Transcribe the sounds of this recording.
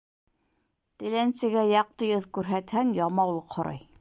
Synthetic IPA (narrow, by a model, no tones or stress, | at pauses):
t̪ɘ̆lænsɘ̆ɡæjɑq̚t̪ɤjɤðkʉɾɦæt̪hæŋjɑmɑwlˠɤqhŏɾɑ̰j